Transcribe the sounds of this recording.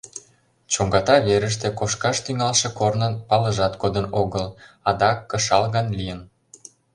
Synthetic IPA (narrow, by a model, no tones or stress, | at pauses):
t͡ɕoŋɡɑt̪ɑβeɾəʃ̬t̪ekoʃkɑʃt̪yŋɑlʃĕkornənpɑləʒɑt̪ɡod̪ənoɣəl | ɑd̪ɑkːə̆ʃɑlɣɑnlijən